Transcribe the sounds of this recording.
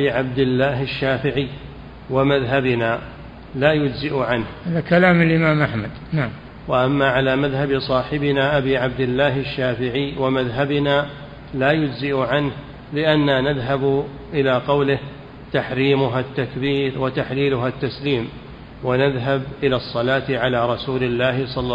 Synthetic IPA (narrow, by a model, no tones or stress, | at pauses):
iʕab̚d̪ɪlːaːɦaʃːaːfɪʕɪjː | wamaðɦabɪnaː | laːjʊd͡ʒzɪʔʊʕanhhaðakalaːmalʔɪmaːmʔaħmad̪naʕam | waʔamːaʕalaːmaðɦabsˤɑːħɪbɪnaːʔabiːʕab̚d̪ɪlːaːɦɪʃːaːfɪʕɪjwamaðɦabɪnaː | laːjʊd͡ʒzɪʔʊʕanh | lɪʔanːaːnaðɦab | ʔɪlaːqɑwlɪh | t̪aħɾiːmʊɦat̪ːakbiːɾwat̪aħliːlʊɦat̪ːasliːm | wanaðɦabʔɪlaːsˤːɑlaːt̪ɪʕalaːɾˤɑsuːlɪlːaːhɪsˤɑlː